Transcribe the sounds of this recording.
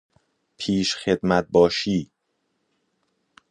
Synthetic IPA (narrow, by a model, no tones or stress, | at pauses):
pʰiːʃxed̪mæt̪̚bɒːʃiː